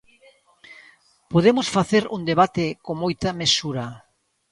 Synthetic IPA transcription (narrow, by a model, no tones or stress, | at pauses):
poðemosfaθeɾṵŋd̪eβat̪ekoŋmojt̪ɐmesuɾɐ